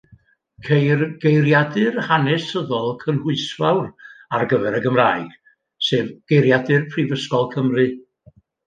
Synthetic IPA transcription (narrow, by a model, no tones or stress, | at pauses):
kʰejrɡejrjadɨrhanɛsəðɔlˠkʰənhʊɨsvawrarɡəvɛɾəɡəmraːɨɡ̥ | seːvɡ̥ejɾjadɨrpʰrɨvəskɔlˠkʰəmrɨ